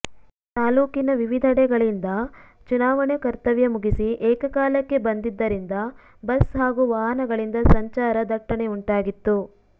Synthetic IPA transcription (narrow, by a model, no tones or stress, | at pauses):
t̪aːluːkinɐʋiʋid̪ʱɐɽɛɡɐɭind̪ɐ | t͡ʃunaːʋɐɳɐkɐɾt̪ɐʋjɐmuɡisiʔɛːkɐkaːlɐkːe̞bɐnd̪id̪ːɐɾind̪ɐ | bɐsɦaːɡuʋaːɦɐnɐɡɐɭind̪ɐsɐɲt͡ʃaːɾɐd̪ɐʈːɐɳeuɳʈaːɡit̪ːu